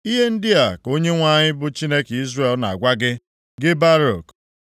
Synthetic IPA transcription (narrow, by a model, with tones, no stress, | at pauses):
i˦ɦe˦n̩˦dɪ˦a˨ko˦ɲe˦ŋʷa˦˨ɲɪ˦bʊ˦t͡ʃi˦ne˦ki˦zre˨lna̰˨a̰˨ɡʷa˦ɡɪ˦ | ɡɪ˦ba˦ɾo˨k